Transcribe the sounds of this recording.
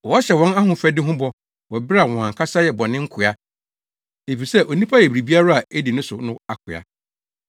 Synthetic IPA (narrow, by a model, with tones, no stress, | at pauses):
wɔ˨ɔ˦ɕɛ˨wɔ̃˦na˦hʊ̃˨fæ˦dɪ˦ɦʊ̃˦bɔ˦ | wɔ˨bɾa˨wɔ̃˨ã˨ŋ˨kʰa˦sa˦jɛ˨bɔ˨nɪ̃˦ŋ̩˦kʰʊ˨a˦ | e˨fi˨sɛ˦ʔo˨nĩ˦pʰa˦jɛ˨bɾi˨bi˦a˦ɾa˦a˨e˦di˨nʊ̃˦sʊ˨nʊ̃˦a˨kʰʊ˨a̰˨